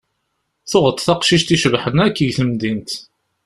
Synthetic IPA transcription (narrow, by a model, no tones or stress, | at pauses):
θʊʁət̪ˤθɑqʃiʃt̪iʃəvħənækːəʝθəmd̪int̪